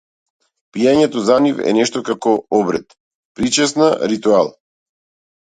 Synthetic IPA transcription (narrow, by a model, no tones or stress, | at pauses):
pijaɲɛt̪ɔzanifɛ̰nɛʃt̪ɔkakɔɔbɾɛ̰t̪ | pɾit͡ʃɛsnaɾit̪ualˠ